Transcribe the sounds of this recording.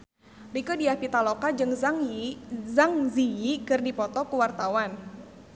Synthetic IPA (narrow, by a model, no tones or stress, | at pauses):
rikɔdiahpit̪alokad͡ʒɨŋz | zaŋzijikɨrdipɔt̪ɔkuwart̪awan